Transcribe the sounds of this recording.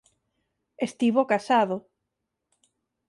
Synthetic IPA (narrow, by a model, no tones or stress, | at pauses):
est̪iβokasaðo